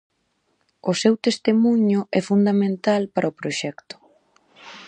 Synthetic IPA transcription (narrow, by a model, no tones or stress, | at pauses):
ʊsewt̪est̪emuɲʊʔɛfund̪amẽnt̪alpaɾʔaopɾoʃɛkt̪ʊ̥